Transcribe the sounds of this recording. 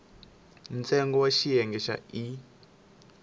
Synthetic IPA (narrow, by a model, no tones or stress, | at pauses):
nt͡sʼɛŋɡɔwaʃijɛŋɡɛʃa̰i